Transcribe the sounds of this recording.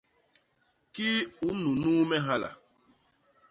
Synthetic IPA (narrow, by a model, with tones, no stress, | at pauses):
ki˦u˨˦nu˨nu˦mɛ˦ɦa˦la̰˨